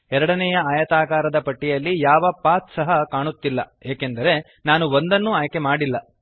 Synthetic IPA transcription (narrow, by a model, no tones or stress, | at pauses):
ɛɾɐɽɐnɛjɐaːjɐt̪aːkaːɾɐd̪ɐpɐʈːijɐlːijaːʋɐpaːt̪sɐɦɐkaːɳut̪ːilːɐ̰eːkend̪ɐɾe̞ | naːnuond̪ɐnːuaːjke̞maːɽilːɐ